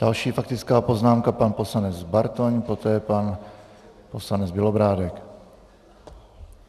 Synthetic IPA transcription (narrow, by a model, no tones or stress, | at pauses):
d̥alʃiːfak̚t̪ɪt͡skaːpo̞znaːmkapanposlanɛd͡zzbaɾt̪oɲpot̪ɛːpan | poslanɛd͡zbɪlobɾaːdɛk